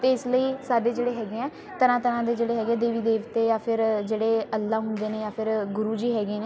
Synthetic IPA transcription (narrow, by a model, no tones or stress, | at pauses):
t̪eːɪsləiːsaːɖeːd͡ʒeːɽeːɦɛːɡeɛ̃ː | t̪əɾãːt̪əɾãːd̪eːd͡ʒeːɽeːɦɛːɡɛ̃ːd̪eːʋiːd̪eːʋt̪eːjãːpʰɪɾd͡ʒeːɽeːəlːaːɦʊnd̪eːneːjaːpʰɪɾɡʊɾuːd͡ʒiːɦɛːɡeːneː